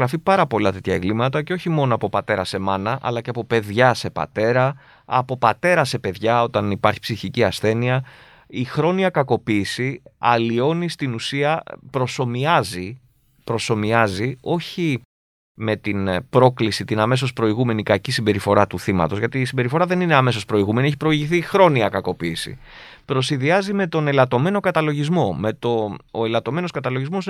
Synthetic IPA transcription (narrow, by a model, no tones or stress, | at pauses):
ɾɐfipɐɾɐpo̞lɐt̪e̞t̪çɐeŋɡlimɐt̪ɐcoçimo̞noɐpo̞pɐt̪e̞ɾɐse̞mɐnɐʔɐ̰lɐce̞ɐpo̞pe̞ðʝɐse̞pɐ̰t̪e̞ɾɐ | ɐ̰po̞pɐt̪e̞ɾɐse̞pe̞ðʝɐo̞t̪ɐnipɐɾçi̥psiçiciɐsθe̞niɐ | ixɾo̞niɐkɐko̞piːsiɐlio̞nist̪inusiɐpɾo̞so̞miɐzi | pɾo̞so̞miɐzio̞çi | me̞t̪inpɾo̞klisit̪inɐme̞s̬o̞spɾo̞iɣume̞nikɐcisimbe̞ɾifo̞ɾɐt̪uθimɐ̰t̪o̞zʝɐt̪iːsimbe̞ɾifo̞ɾɐðe̞nine̞ɐme̞so̞spɾo̞iɣume̞nieç̬ipɾo̞iʝiθixɾo̞niɐkɐko̞piːsḭ | pɾo̞siðiɐzime̞t̪o̞ne̞lɐt̪o̞me̞no̞kɐt̪ɐlo̞ʝizmo̞me̞t̪o̞ːe̞lɐt̪o̞me̞no̞skɐt̪ɐlo̞ʝizmo̞s